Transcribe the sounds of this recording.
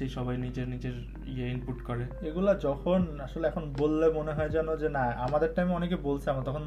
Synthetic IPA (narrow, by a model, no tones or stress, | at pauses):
ejʃɔbajnid͡ʑeɾnid͡ʑeɾ | ḭeinpuʈkɔɾe | eɡulad͡ʑɔkʰonaʃoleɛkʰonbolːemoneɦɔed͡ʑanod͡ʑenaamad̪eɾʈameɔnekebolt͡ɕʰeamat̪ɔkʰon